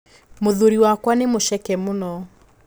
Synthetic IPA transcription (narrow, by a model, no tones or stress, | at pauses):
moðoɾiwakwanemoʃɛkɛmonɔ